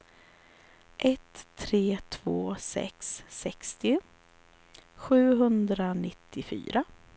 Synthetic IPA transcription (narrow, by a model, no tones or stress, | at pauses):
ʔɛt̪ʰːɾeːt̪ʰv̥oːsɛ̰ksːɛkst̪ɪ | ɧʉ̟ːɦɵnd̪ɾanɪt̪ʰːɪfy̰ːɾa